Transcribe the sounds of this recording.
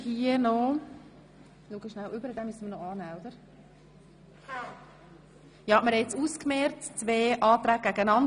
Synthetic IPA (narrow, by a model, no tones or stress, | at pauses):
hiənɔ | luɡəʃnæwʔʏbəɾəd̪ɛmysənmɪnɔɑːnæːɔd̪əɾ | jɑːməɾɛt͡suːskmɛɾtt͡sʋeːʔɑːt̪ɾæːɡ̚ɡ̥æɡənɑn